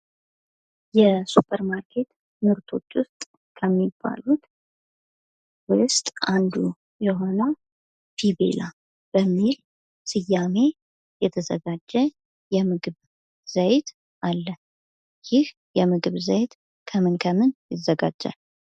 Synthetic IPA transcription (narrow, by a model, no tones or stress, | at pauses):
jɛsupʰʼəɾmaɾkʰe̞t̪ | mɨɾt̪ʰo̞̰t͡ʃːwʊst̪ʼ | kʰəmːibːa̰lut̪ | wʊst̪ʼʔand̪u | jɛɦo̞nə | fʰibe̞̰la | b̥əmːil | sɨjːame̞ | jɛt̪ʰəzəɡad͡ʒːɛ | jɛmɨɡɨβ | z̥əjt̪ʰ | ʔalːə | jɪh | jɛmɨɡɨβzəjt̪ | kʰəmɨnkʰəmɨnjɪzəɡa̰d͡ʒːa̰l